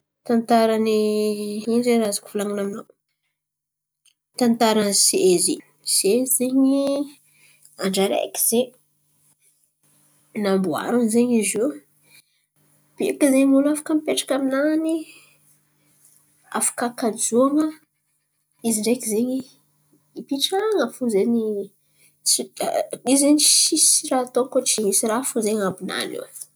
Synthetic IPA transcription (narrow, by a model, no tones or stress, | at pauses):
t̪ant̪aɾani | inzeɾazḁku̥fulaŋanamino | t̪ant̪aɾanseezi | sezeɲi | aɳɖ͡ʐaɾḛjki̥z̥e | nambua̰ɾunzeɲize | b̥ḛkəzeɲmulafḁkəmipeʈ͡ʂḁkaminani | a̰fḁkakad͡zuaŋə | iziɳɖ͡ʐekizeɲi | ipiʈ͡ʂaŋəfuzeɲi | siizeɲt͡ʃisirat̪okot͡ʃiɲisiɾafuzeɲambina̰nḭwḁ